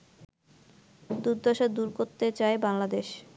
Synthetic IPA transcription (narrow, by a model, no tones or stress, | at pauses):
d̪uɾd̪aʃad̪uɾkoɾt̪et͡ɕaebaŋlad̪eʃ